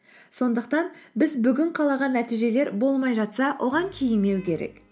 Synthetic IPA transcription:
so̞nd̪əqt̪ɑnbɪzbʏɡʲɪɴqʰɑlˠɑʁɑnːæt̪ijʒe̞le̞ɾbo̞lˠmɑjʒɑt̪sɑwʔo̞ʁɑŋkʲʰejɪnme̞wkʲʰe̞ɾḛk

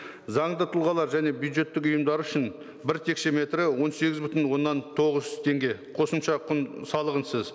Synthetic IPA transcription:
zɑɴd̪ət̪ʰʊlˠʁɑlˠɑɾʒæne̞bjud̪ʒe̞t̪ːɪkʊjəmd̪ɑɾʏʃɪn | bɪɾt̪ʰe̞kʃe̞me̞t̪ɾɪwo̞nse̞ɡʲɪzbʏt̪ɪnwo̞nːɑnt̪ʰo̞ʁəzt̪ʰe̞ŋɡʲe̞qʰo̞səmʃɑqʰʊnsɑlˠəʁənsəz

